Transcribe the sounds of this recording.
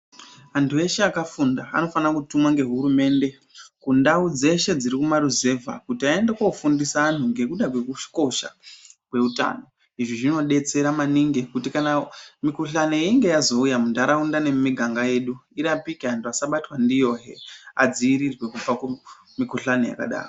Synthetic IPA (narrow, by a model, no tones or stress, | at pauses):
antʰue̞ʃeakafunda̰ːno̞fanakutumwaŋɡe̞ɦuɾume̞ːnde̞ | kundaud͡ze̞ʃe̞d͡ziɾikumaɾuze̞vʱa̰kutiae̞ndekwaufundisaːn̤uŋɡe̞kuɗakwe̞kuʃko̞ʃa̰kwe̞uta̰ːno̞ | iʐiʐino̞ɗe̞t͡se̞ɾamaniŋɡe̞kutikanamikuɬaneiŋɡejazo̞ujamundaɾaundane̞miɡʱaŋɡaje̞ɗuiɾapikeantʰuasaɓatwandijo̞ɦe̞̰a̰d͡ziiɾirwe̞kub͡vake | mikuɬaneja̰ka̰ɗa̰ːro